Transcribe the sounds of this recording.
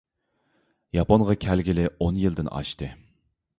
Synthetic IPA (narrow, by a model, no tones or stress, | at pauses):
jɑponʁɑkʲʰælɡʲɪlɪonjɨlˠd̪ɪnɑ̰ʃt̪ɨ